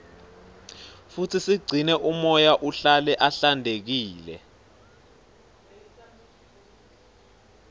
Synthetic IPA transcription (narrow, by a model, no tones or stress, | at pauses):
futʰisiɡ͡ǀʱinɛʔumɔjaʔuɬalɛʔaɬandʱek̬iːlɛ̰